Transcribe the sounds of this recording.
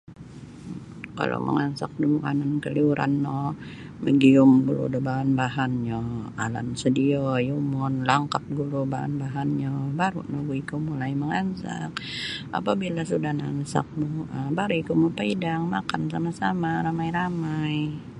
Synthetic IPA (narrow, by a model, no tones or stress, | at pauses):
ka̰lʔo̰mʔə̰ŋansak̚duməkanankəliuɾʔa̰nːɔ | məɡiʊmbulṵdəbaɦanbaɦanɲɔala̰nsədiɔjumɔnlaŋkap̚ɡulubaɦa̰nbaɦanɲɔbaɾunɔhɡuikumulajməŋansa̰k̚a̰pabilasudahnansa̰k̚muəbaɾuikumupaidaŋmakansamasamaɾamajɾamaj